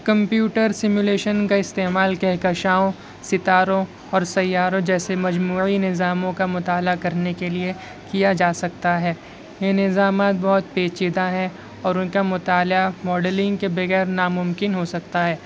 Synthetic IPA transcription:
kɐ̃mpjuːʈəɾsɪmjuleːʃənkaɪst̪eːmaːlkɛɦkɐʃaːõ | sɪt̪aːɾõ | ɔːɾsɐjːaːɾõd͡ʒɛːsemɐd͡ʒmuːinɪzaːmõkamʊt̪aːlakɐɾnekelie | kijad͡ʒaːsɐk̚t̪aɦɛː | jenɪzaːmaːt̪̚bɔɦʊt̪̚peːt͡ʃid̪aɦɛ̃ | ɔːɾʊnkamʊt̪aːlamɔːɖəlɪ̃ŋɡkebɐɣɛːɾnamʊmkɪnɦosɐk̚t̪aɦɛː

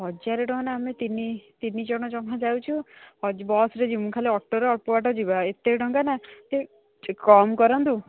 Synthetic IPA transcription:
ɦɔd͡ʒaɾeɖɔ̃ɦɔnaːmet̪init̪inid͡ʒɔɽ̃ɔd͡ʒɔmɦad͡ʒawt͡ʃʰuhɔd͡ʒbɔsɾed͡ʒimukʰaleɔʈːoɾeɔpoaʈɔd͡ʒibaet̪eɖɔŋɡanat̪e | kɔmkɔɾɔnt̪u

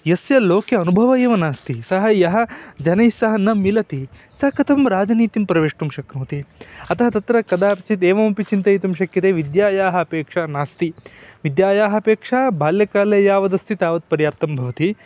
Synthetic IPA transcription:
jɐsjɐloːkjɐɐnubʱɐʋɐjeːʋɐnaːst̪isɐɦɐjɐɦɐ̆d͡ʒɐnɐjsɐɦɐnɐmilɐt̪i | sɐkɐt̪ʰɐmɾaːd͡ʒɐniːt̪impɾɐʋeːʂʈumʃɐknoːt̪iɐt̪ɐɦɐt̪ɐt̪ɾɐkɐd̪aːpit͡ʃit̪eːʋɐmɐpit͡ʃint̪ɐjit̪umʃɐkjɐt̪eːʋid̪jaːjaːɦɐɐpeːkʂaːnaːst̪iʋid̪jaːjaːɦɐɐpeːkʂaːbʱaːljɐkaːlejaːʋɐd̪ɐst̪it̪aːʋɐt̪̚pɐɾjaːɾt̪ɐmbʱɐʋɐt̪i

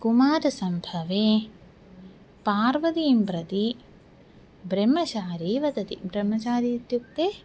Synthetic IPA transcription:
kumaːɾɐsɐmbʱɐʋeː | paːɾʋɐd̪iːmpɾɐt̪i | bɾɐmːɐt͡ʃaːɾiːʋɐd̪ɐt̪ibɾɐmːɐt͡ʃaːɾiːt̪juk̚t̪eː

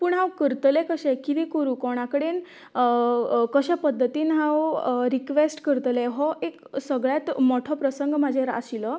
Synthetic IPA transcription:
puɳɦãwkəɾt̪lekəɕɛ̃kid̪ikoɾukɔɽ̃akəɽen | kəɕapəd̪ʱːət̪iːnɦãwɾikʋesʈkəɾt̪lɛɦɔʔek | səɡɭjat̪mɔʈʰɔpɾəsəŋɡmad͡ʑʱeɾa̰ɕilɔ

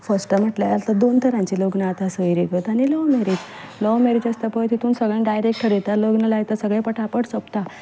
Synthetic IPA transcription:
fəsʈəm̤əʈlaat̪ad̪ont̪ʰəɾãɲt͡ɕiloɡnat̪asəiɾikət̪añilɔmeɾid͡ʑ | lɔmeɾid͡ʑəst̪apəjt̪ʰit̪ʰuːnsəɡɭə̃ɖajɾek̚ʈʰəɾet̪aloɡnalajt̪əsəɡɭẽpəʈʰapəʈsəpt̪a

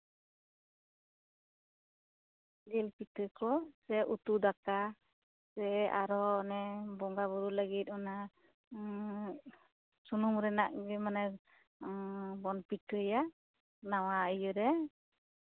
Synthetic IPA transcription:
lɛlpitɯkɔsɛʔut̪ud̪aka | sɛaɾɔnɛbɔŋɡabɔɾuləɡit̪̚ˀɔna | sunumɾɛna̰ʔbɛmanɛ | bɔnpitɯja | nawaəjɯɾɛ

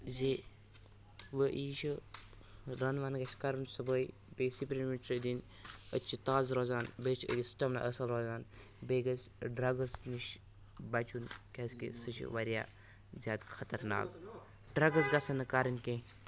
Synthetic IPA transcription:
ze | ʋəʔiːʃʰi | ɾɐnʋaːnɡɐʃkɐɾɨnsɨbəj | besipɾinmiʈɾd̪in | ə̰t͡ʃʰit̪aːzɾoːzaːnbet͡ʃʰiə̰ɡʲisʈɐmna̰ʔəsɐlɾoːzaːn | beɡɐsʲɖɾɐɡɐsniʃ | bɐt͡ʃunkʲɐskḛsɨt͡ʃʰḭʋɐɾʲja̰ː | zʲjaːd̪kʰɐt̪ɐɾna̰ːk | ɖɾɐɡɐzɡɐsɐnɨkaɾɨnkʲẽ

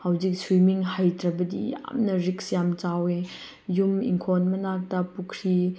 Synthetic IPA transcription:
hawzik̚sɾimiŋhajtɾɐbɐdḭja̰mnɐɾiksjamt͡ʃawe | jumḭŋkʰonmɐnak̚tɐpukʰɾi

